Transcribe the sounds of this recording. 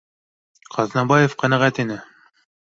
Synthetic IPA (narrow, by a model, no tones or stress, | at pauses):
qʰɑznɑbɑjefqænæʁæt̪inɘ